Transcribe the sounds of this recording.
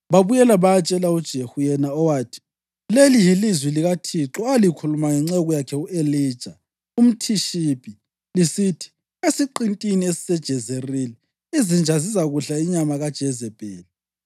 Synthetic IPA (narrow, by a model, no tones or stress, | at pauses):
βaβujɛlaβaat͡ʃʼɛlaud̥ʒ̥ʱehujɛnaɔwaːtʰi̥ | lelijilizwiliɣatʰiǁɔalikʰulumaŋɛŋ͡ǀɛɣujakʰɛueliːd̥ʒ̥ʱa | um̩tʰiʃibʱʼi | lisitʰi̥ | esiǃintʼiniesi̥sɛd̥ʒ̥ʱɛzerili | izind͡ʒʱazis̬aɣuɬaiɲamaɣad̥ʒ̥ʱɛzɛb̥ʼʱɛːlɛ